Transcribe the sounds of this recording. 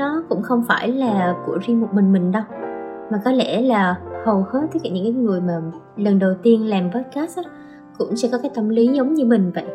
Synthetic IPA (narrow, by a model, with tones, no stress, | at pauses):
ɔ˨˦kʊ̰˧˥ŋ͡mxə˧wŋ͡mfaː˧˩jlaː˨˩kṵ˧˩əzi˧mo˨˩t̚mï˨˩ŋ̟mï˨˩ŋ̟ɗə˧wmaː˨˩kɔ˨˦lɛ˧˩laː˨˩hə˨˩whə˨˦˥t̪̚ə˧˦˥kːa̰˧˩ɲɨ̰˧˥ŋkːaː˨˦jŋɨ˨˩əjmaː˨˩ | lə˨˩nɗə˨˩wt̪i˧ənlaː˨˩mɓəː˦˥t̚kaː˦˥sʔ | kʊ̰˧˥ŋ͡msɛ̰˧˥kɔ˨˦kaː˨˦jt̪ə˧mli˨˦zə˨˦wŋ͡mɲɨ˧mï˨˩ŋ̟va̰ː˧˨n